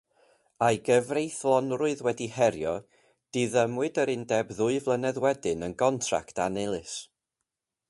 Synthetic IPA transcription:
ajɡəvrejθlˠɔnrʊɨðwɛdihɛɾjɔ | d̥iðəmwɨdəɾɪndɛbðʊɨvlˠənɛðwɛdɨnənɡɔntʰra̰ktanelˠɨs

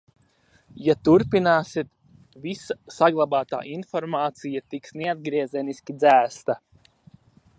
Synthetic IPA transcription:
jat̪uɾpinaːsit̪ | visasaɡlˠabaːt̪a̰ːʔinfɔɾmaːt̪sijat̪iksnead̪̚ɡɾiɛzʲɛnisʲkʲid̪zæːst̪a

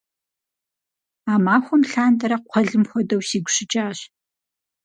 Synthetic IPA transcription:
aːmaːxʷɔmɬaːndɐɾɐqʷʰɔɮɨmxʷɔdɐwsiːɡʷɕɪt͡ʃʼaːɕ

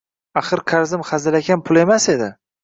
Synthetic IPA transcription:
aχɨɾkʰaɾzɪmχazɪlakʲanpʰʊlˠe̞mase̞d̪ɪ̰

